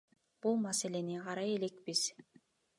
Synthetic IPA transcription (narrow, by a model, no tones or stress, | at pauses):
b̥ulˠmase̞le̞niqʰɑɾɑje̞le̞kbiz̥